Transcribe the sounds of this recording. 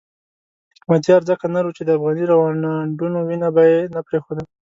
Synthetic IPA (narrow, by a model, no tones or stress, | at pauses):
ɪkmat̪̬ijɑɾzəkanaɾut͡ʃed̪əafɣɑniɾawɑnaɳɖunowinabajenapɾexod̪ə